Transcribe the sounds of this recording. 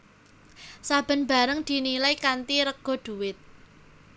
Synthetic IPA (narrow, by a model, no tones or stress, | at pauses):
sab̥ə̤nba̤ɾəŋd̪̥i̤nilajkant̪iɾəɡ̥ɔ̤d̪̥ṳwɪt̪̚